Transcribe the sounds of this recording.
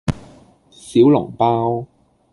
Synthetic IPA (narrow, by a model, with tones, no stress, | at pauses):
siː˨˥wlʊ̰˨˩ŋpaː˥w